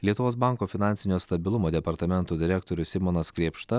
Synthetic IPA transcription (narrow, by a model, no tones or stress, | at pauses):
lʲiɛʊʋoːsbɑˑŋkoːfʲɪnɑnʲsʲɪnʲoːst̪ɐbʲɪlˠʊmoːd̪ʲɛpɐɾt̪ɐmʲɛnt̪oːd̪ʲɪɾʲɛk̚t̪oːɾʲʊsʲɪmoːnɐskɾʲeːpʃt̪ɐ